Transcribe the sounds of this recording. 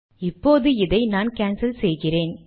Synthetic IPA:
ɪpːoːðɯɪðɐɪnaːnkaːnsɐlsɛjɣɪreːn

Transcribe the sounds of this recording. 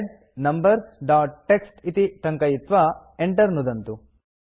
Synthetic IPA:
ɖ | nɐmbɐɾsɖaːʈʈːeksʈit̪iʈ̪ɐŋkɐjit̪ʋɐ | eɳʈɐɾnud̪ɐnt̪u

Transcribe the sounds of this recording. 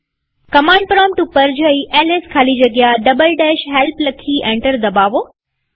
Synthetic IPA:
kɐmãːɳɖ̚pɾɔːmʈupɐɾd͡ʑəiʔɛːleskʰaːlid͡ʑɐɡjaɖɐbəlɖeːʃɦɛlplɐkʰiʔẽːɳʈəɾd̪ɐbaːʋoː

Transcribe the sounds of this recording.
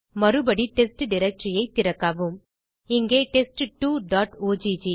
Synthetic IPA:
mɐɾɯbɐɽiʈesʈɖɪɾɐk̚ʈɾɪjɐɪt̪ːɪɾɐkːaːʋɯm | ɪŋɡeːʈesʈʈːuːɖaːʈoːd͡ʒid͡ʒi

